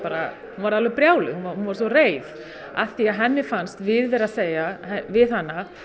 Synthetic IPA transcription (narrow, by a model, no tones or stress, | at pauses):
paːɾa | hunvaɾaðlvʏɣpɾjaːwlɪɣhunvahunvaɾ̥sɔreːjð | a̰θiaðɦɛnːɪfanst̪vɪðvɛɾaðseːjahɛvɪðanːa